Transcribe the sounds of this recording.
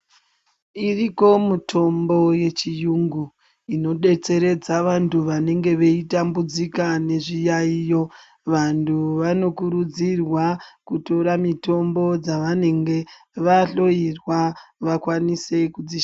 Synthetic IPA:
iriko̞mutʰo̞mbo̞je̞t͡ʃijuŋɡu | ino̞ɗe̞t͡se̞ɾe̞d͡zaʋantuʋane̞ŋɡe̞ʋe̞itambud͡zikane̞ʐijaijo̞ | ʋantʰuʋano̞kuɾud͡zirwakuto̞ɾamito̞mbo̞d͡zaʋane̞ŋɡe̞ | ʋaɬo̞irwaʋakwanise̞kud͡zi

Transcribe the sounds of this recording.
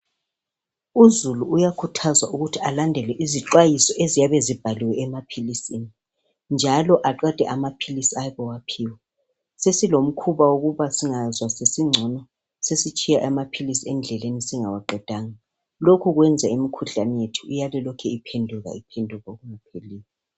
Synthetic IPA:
uzuluːjakʰutʰazwaʔuɣutʰialandʱɛlɛʔiziǁwajisɔʔezijaβɛzib̥ʱaliwɛɛmapʰilisini | nd͡ʒʱalɔʔaǃɛd̥ʱɛʔamapʰilisiajβɛwapʰiwɛ | sesilom̩kʰuβawoɣuβasiŋazwasesiŋ͡ǀʱɔnɔ | sesit͡ʃʼijaʔamapʰilisiɛnd͡ɮʱɛlenisiŋawaǃɛd̥ʱaːŋa | lokʰuɣwɛnd͡zʱaimikʰuɬanijetʰu̥ujalɛlɔkʰɛipʰendʱuɣa̰ipʰɛndʱuɣaoɣuŋapʰeliːlɛ

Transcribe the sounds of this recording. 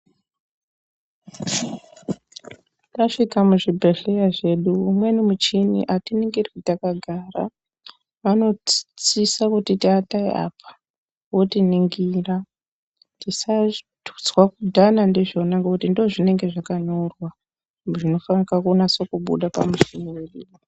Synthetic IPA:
taʂikamuʐibʱeɮejaʐe̞ɗuːmwe̞nimut͡ʃinḭʔatiniŋɡiritakaɡʱaːra̰ | ʋano̞t͡sisakutitiataiʔa̰pʰḁ | wo̞tiniŋɡira | tisatu̥t͡swakudʱanandiʐonaŋɡakutindoʐine̞ŋɡe̞ʐakanorwa | ʐino̞fanakakonaso̞kuɓṵɗapa̰muʃimuwiriːro

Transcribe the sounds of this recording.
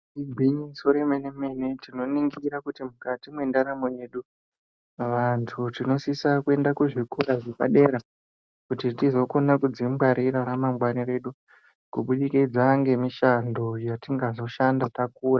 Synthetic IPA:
iɡʱiɲisoɾemeneme̞ne̞tino̞niŋɡiɾakutimukatimwe̞ndaɾamo̞je̞ɗu | ʋantʰutino̞sisakue̞ndakuʐikuɾaʐepa̰ɗe̞ɾa | kutitizo̞ko̞nakud͡zimbaɾiɾaɾamamɡwaniɾe̞ɗu | kuɓuɗikid͡zaŋɡe̞miʃando̞jatiŋɡazo̞ʃandatakuːra

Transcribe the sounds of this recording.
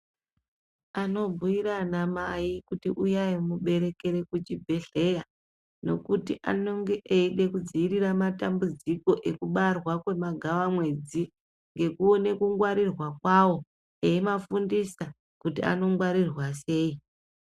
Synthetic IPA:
ano̞bʱuiɾanamajikutiʔujaimuɓe̞ɾe̞ke̞ɾe̞kut͡ʃibʱe̞ɮe̞ja | no̞̰kutiʔa̰no̞ŋɡe̞ʔeiɗe̞kud͡ziiɾiramatambud͡ziko̞ʔe̞kuɓarwakwe̞maɡʱawamwe̞d͡zi | ŋɡe̞kuone̞kuŋɡwaɾirwakwawo̞ | eemafundisa | kutia̰no̞ŋɡwaɾirwase̞ːi

